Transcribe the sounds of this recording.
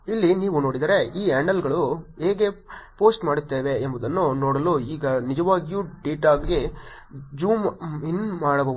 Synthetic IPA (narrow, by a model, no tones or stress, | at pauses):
ilːiniːʋuno̞ːɽid̪aːɾe̞iːaːɳɖɐlɡɐɭuɦeːɡe̞poːsʈmaːɽut̪ːeːʋe̞ːmbɐd̪ɐnːunoːɽɐloːiːɡɐnid͡ʒɐʋaːɡijuɖiːʈaːɡɡe | d͡ʒuːminmaːɽɐbɐ